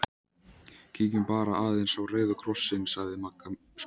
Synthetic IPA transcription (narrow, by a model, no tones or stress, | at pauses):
cʰiːcʏmpaːɾaaːðejnsawreːjðʏkʰɾɔsːɪnsaɣðɪmaka | s